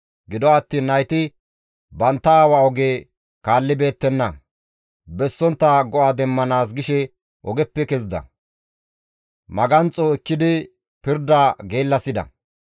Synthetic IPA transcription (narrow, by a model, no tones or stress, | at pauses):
ɡɪd̪ɔɐt̪ːiːnːɐjt̪ɪ | bɐnt̪ːɐaːwaɔɡeː | kaːlːɪbe̞ːt̪ːɛnːɐ | bɛsːɔnt̪ːɐɡɔʔaːd̪ɛmːɐnaːs̬ɡɪʃɛ | ʔɔɡɛpːɛkɛzd̪ɐ̰ | mɐɡɐnt͡sʼoɪkːɪd̪ɪ | pɪɾd̪aːɡe̞ːlːɐsɪd̪ɐ̰